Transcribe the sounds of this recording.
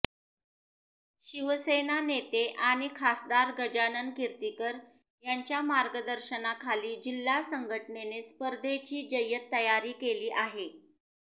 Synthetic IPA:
ɕiʋəsenanet̪eʔaɽ̃ikʰasd̪aɾɡəd͡ʑanənkiɾt̪ikəɾ | jaɲt͡ɕjamaɾɡəd̪əɾɕənakʰaliːd͡ʑilːasəŋɡʱəʈnenespəɾd̪ʱet͡ɕiːd͡ʑəjət̪ːəjaɾiːkeliːʔaɦe

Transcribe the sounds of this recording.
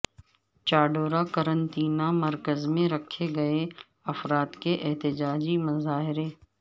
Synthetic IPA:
t͡ʃaːɖoːɾakɐɾə̃nt̪iːnamɐɾkəzmẽɾɐkʰeɡɐe | ɐfɾaːd̪keʔɛɦt̪ɪd͡ʒaːd͡ʒimɐzaːɦɪɾeː

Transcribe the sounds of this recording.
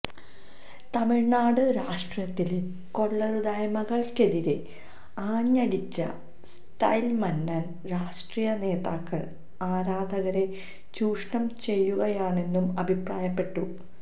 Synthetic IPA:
t̪ɐmiɻnaːɽɨɾaːʂʈrjɐt̪ːil | ko̞ɭːɐɾud̪ɐjmɐɣɐɭke̞ðiɾe | aːɲːɐɽit͡ɕːɐ̰ | s | tɐjlmɐnːɐn | ɾaːʂʈriːjɐne̞ːðaːkːɐɭ | aːɾaːd̪ʱɐɣɐɾe̞ | t͡ɕuːʂɳɐmt͡ɕe̞jːuɣɐjaːɳe̞nːumɐbʱipraːjɐpːe̞ʈːu

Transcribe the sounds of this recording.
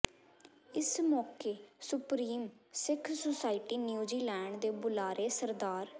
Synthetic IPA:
ɪsmɔːkeːsʊpɾiːmsɪkʰsosaːɪʈiːnjuːziːlɛːɳɖd̪eːbʊlaːɾeːsəɾd̪aːɾ

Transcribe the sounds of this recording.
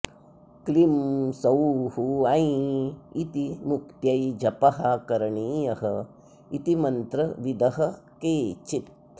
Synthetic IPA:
klimsɐwhuɐjiit̪imukt̪jɐjd͡ʒɐpɐɦakɐɾɐɳiːjɐɦɐ | it̪imɐnt̪ɾɐʋid̪ɐɦɐ̆keːt͡ʃit̪̚

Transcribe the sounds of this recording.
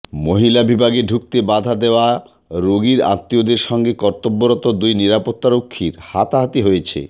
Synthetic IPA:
moɦilabibʱaɡeɖʱuk̚t̪ebad̪ʱad̪eoa | ɾoɡiɾa̰t̪ːiod̪eɾʃɔŋɡekɔɾt̪obːoɾɔt̪od̪ujniɾapot̪ːaɾokʰːiɾhat̪aɦat̪iɦojet͡ɕʰḛ

